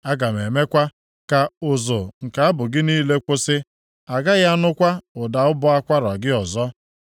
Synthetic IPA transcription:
a˦ɡa˨me˨me˦kʷa˦ | ka˨ʊ˨zʊ˨ŋ̩˨ka˨a˦bʊ˨ɡɪ˦niː˦le˦kʷʊ˦sɪ˦ | a˨ɡa˦ɣa˦nʊ˦kʷa˦ʊ˨da˨ʊ˦bʊ˦a˦kʷa˦ɾa˨ɡɪ˦ɔ˨zɔ˦

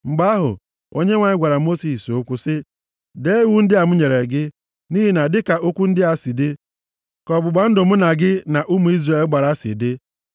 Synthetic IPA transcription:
ŋ͡m̩˨ɡ͡ba˦ɦʊ̰˨ | o˦ɲe˦ŋʷa˨ɲ˦ɡʷa˨ɾa˨mo˦si˨so˦kʷu˦sɪ˦ | de˨˦wu˦n̩˦dɪ˦a˨m̩˦ɲe˨ɾe˨ɡɪ˦ | ni˦ɦi˨na˨dɪ˦ka˨ʔo˦kʷu˦n̩˦dɪ˦a˨si˨dɪ˦ | kɔ˨bʊ˨ɡ͡ba˨n̩˦dʊ˨m̩˦na˨ɡɪ˦na˨ʔu˦mu˨i˦zra˨e˨˦ɡ͡ba˨ɾa˦sɪ̰˨dɪ˦

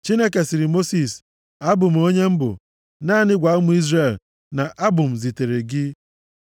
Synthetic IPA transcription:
t͡ʃi˦ne˦ke˨sɪ˨ɾɪ˨mo˦si˨s | a˦bʊ˨m̩˨˦o˦ɲe˦m̩˦bʊ̰˨ | naː˦˨nɪ˦ɡʷa˨˦mʊ˦i˦zre˦˨l | na˨ʔa˦bʊ˨m̩˨zi˨te˨ɾe˨ɡɪ˦

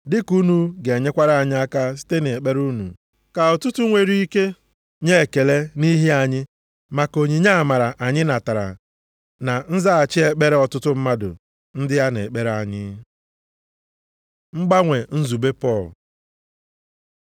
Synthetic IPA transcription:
dɪ˦ku˦nu˨ɡɲe˦kʷa˦ɾa˦˨a˨ɲɪ˦a˦ka˦s̬i̥˦te˦ne˨k͡pe˦ɾu˦nṵ˨ | ka˨ɔ˨tʊ˦tʊ˦ŋʷe˨ɾi˦i˦ke˦ | ɲe˦e˨ke˨le˦ni˦ɦi˦a˨ɲɪ˦ | ma˨ko˨ɲi˨ɲa˦˨ma˨ɾa˨ʔa˨ɲɪ˦na˨ta˨ɾa̰˨ | na˨n̩˦za˦a˨t͡ʃɪ˦e˦k͡pe˦ɾe˦ɔ˨tʊ˦tʊ˦m̩˦ma˦dʊ̰˨ | n̩˦dɪ˦ja˦ne˨k͡pe˦ɾa˨ɲɪ˦ | ŋ͡m̩˦ɡ͡ba˦ŋʷe˨n̩˦zu˨be˦pɔ˦˨l

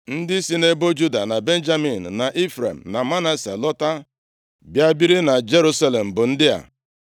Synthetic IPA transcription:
n̩˦dɪ˦si˦ne˦bo˦d͡ʒu˦da˨na˨be˦n̩˦d͡ʒa˦mi˨n̩˨na˨ʔi˦fɾḛ˨m̩˨na˨ma˦na˦sḛ˨lɔ˦ta˦ | bja˦bi˦ɾi˦na˨d͡ʒe˦ɾu˦sa˦le˨m̩˨bʊ˨n̩˦dɪ˦a̰˨

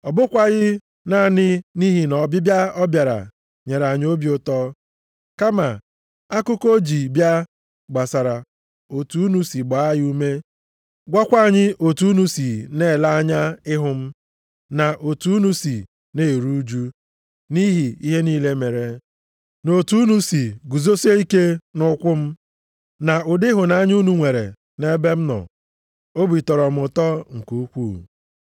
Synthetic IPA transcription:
ɔ˨bʊ˦kʷa˨ɣɪ˦ | na˦˨nɪ˦ni˦ɦi˨nɔ˨bɪ˦bja˦ɔ˦bja˨ɾa̰˨ | ɲe˨ɾa˨ɲ˦o˦bi˦o˦tɔ˦ | ka˦ma˨ | a˦kʊ˦ko˦d͡ʒi˨bja˦ | ɡ͡ba˨sa˨ɾa˨ | o˨tu˨˦nu˦si˨ɡ͡ba˨a˦jɪ˦u˦me˦ | ɡʷa˦kʷa˦a˨ɲɪ˦ʔo˨tu˦nu˦si˨ne˦˨la˦a˦ɲa˦ɪ˦ɦʊ˨m̩˦ | na˨ʔo˨tu˨˦nu˦si˨ | ne˦˨ɾu˦d͡ʒu˦ | ni˦ɦi˨i˦ɦe˦niː˦le˦me˨ɾe˨ | no˨tu˦nu˦si˨ɡu˨zo˦se˦i˦ke˦nʊ˦kʷʊ˦m̩˦ | na˨ʊ˨dɪ˦ɦʊ˨na˦ɲ˦u˦nu˨ŋʷe˨ɾḛ˨ | ne˦be˦m̩˦nɔ̰˨ | o˦bi˨tɔ˨ɾɔ˨m̩˦ʊ˨tɔ˦ŋ̩˨ku˨˦kʷu˦˨

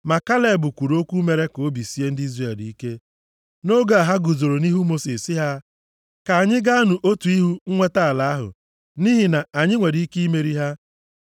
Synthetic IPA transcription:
ma˨ka˦le˨bʊ˨kʷu˨ɾo˦kʷu˦me˨ɾe˦ko˨˦bi˨si˦e˦n̩˦di˦zre˦˨e˨di˨i˦ke˦ | no˦ɡa˨a˨ɦa˦ɡu˨zo˨ɾo˨ni˦ɦu˦mo˦si˨ssɪ˦ɦa˦ | ka˨a˨ɲɪ˦ɡa˦a˦nu˨ʔo˦tu˨i˦ɦu˦ŋ̩˦ŋʷe˦ta˦a˨la˨a˦ɦʊ̰˨ | ni˦ɦi˨na˨a˨ɲɪ˦ŋʷe˨ɾi˨˦i˦ki˦i˦me˨ɾi˦ɦa˦

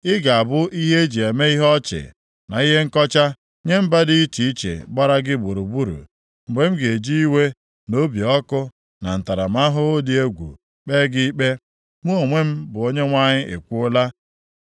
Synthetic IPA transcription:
ɪ˦ɡa˨a˨bʊ˦ʔi˦ɦe˦d͡ʒi˨e˨me˦i˦ɦɔ˦t͡ʃɪ̰˨ | na̰˨i˦ɦe˦ŋ̩˦kɔ˦t͡ʃa˦ | ɲe˦m̩˦ba˦dɪ˦i˦t͡ʃi˨i˦t͡ʃḛ˨ɡ͡ba˦ɾa˦ɡɪ˦ɡ͡bo˨ɾu˨bu˦ɾṵ˨ | m̩˨ɡ͡be˨m̩˦ɡe˨d͡ʒi˦i˦we˦ | no˦bi˨ɔ˦kʊ˦ | na˨n̩˨ta˨ɾa˨m̩˦a˦ɦʊ˦o˦di˦e˦ɡʷṵ˨ | k͡peː˦ɡɪ˦k͡pe˦ | mu˦o˨ŋʷe˦m̩˦bʊ˨o˦ɲe˦ŋʷa˦ɲɪ˦ʔḛ˨kʷu˦ʊ˦la˦

